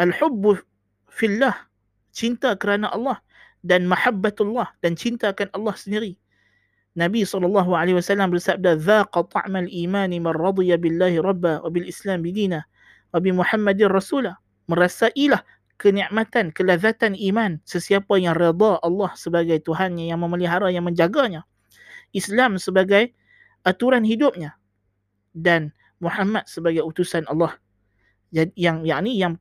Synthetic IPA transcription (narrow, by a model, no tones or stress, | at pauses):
ʔalħʊbː | filːah | t͡ʃint̪akəɾanaʔɑlːɑh | danmaħabːat̪alːɑhd̥ant͡ʃint̪akanʔɑlːɑhsəndiɾi | nabisɑlːɑlːɑːɦuʕalahwasalːambərsab̚daðaːqɑt̪ˤɑ̰ʕmalʔiːmaːnimanɾˤɑd̪ˤijabɪlːaːhiɾˤɑbːawabɪlʔɪslaːmbɪd̪iːna | wabɪmuħamːad̪rˤɑsuːla | məɾasaʔilah | kəniʔmat̪ankəlaðat̪animansəsiapajaŋred̪ˤɑʔɑlːɑhsəbaɡajt̪uɦanɲajaŋməməliɦaɾajaŋmə̃ɲd͡ʒaɡaɲa | ʔislamsəbaɡaj | ʔat̪uɾanhidʊp̚ɲa | dan | muħamat̪̚səbaɡajut̪usanɑlˠːɑh | d͡ʒajaŋjaʔnijaŋ